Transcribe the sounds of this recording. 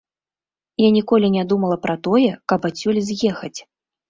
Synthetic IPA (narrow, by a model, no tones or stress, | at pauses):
janʲikɔlʲinʲad̪umɐlˠɐpɾɐt̪ɔjɛkɐpat͡sʲulʲzʲjɛxɐt͡sʲ